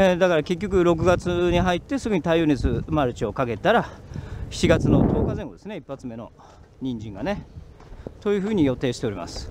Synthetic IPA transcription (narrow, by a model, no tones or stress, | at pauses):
ed̪akaɾake̞kʲːo̞k̬ɯ̟ɾo̞k̬ɯ̟ɡat͡sɨɲ̟iɦait̪ːe̞sɨɡɯ̟ɲ̟it̪aijonet͡sɨɯmaɾɯ̟t͡ɕio̞kake̞t̪aɾaçi̥t͡ɕiɡat͡sɨno̞t̪o̞ːkaze̞ŋɡo̞d̪e̞sɨneipːat͡sɨme̞no̞̰ | ɲ̟ĩɲd͡ʑĩŋɡane̞ | t̪o̞jɯ̟ɸɯ̟ːɲ̟ijo̞t̪e̞ːɕi̥t̪eɾima̰sɨ̥